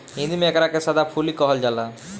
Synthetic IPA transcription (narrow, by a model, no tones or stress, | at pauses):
ɦĩnd̪imɛkaɾakesad̪apʰulikɔɦɔld͡ʑala